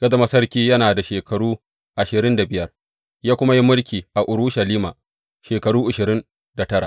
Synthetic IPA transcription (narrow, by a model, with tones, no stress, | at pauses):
ɡ̥ɐ˦da˦mɐ˦sɐ˦rkʲiː˦jɐ˦naː˨da˨ʃeː˨kɐ˨ɽuː˦ | ʔa˨ʃɪ˨ɾɪ˦nda˨bɪ˦jɐ˦r | jaː˦kʷʊ˦ma˦ji˦mʊ˦ɽkʲiː˨ʔa˨ʔʊ˨ɾu˦ʃɐ˨liː˦ma˨ | ʃeː˨kɐ˨ɽuː˦ʔʊ˨ʃɪ˨ɾɪ˦n | da˨tɐ˦ɾa̰˨ʔ